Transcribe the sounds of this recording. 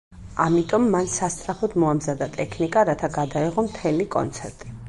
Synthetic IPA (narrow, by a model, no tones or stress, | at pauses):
amit̪ʼɔmːansast̪sʼɾapɔd̪mɔamzad̪at̪ʼɛkʰnikʼaɾat̪ʰaɡad̪aiʁɔmt̪ʰɛlikʼɔ̰nt̪sʰɛɾt̪ʼi